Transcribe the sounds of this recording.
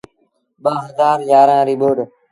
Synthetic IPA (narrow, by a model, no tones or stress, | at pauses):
ɓaːɦəzaːɾjaːɾãːɾiːɓoːɖ